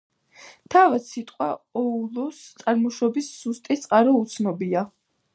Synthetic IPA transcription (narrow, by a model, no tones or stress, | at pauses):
t̪ʰavad̪sit̪ʼqʼwaɔulˠɔst̪sʼaɾmɔʃɔbisːust̪ʼit̪sʼqʼaɾɔut̪sʰnɔbia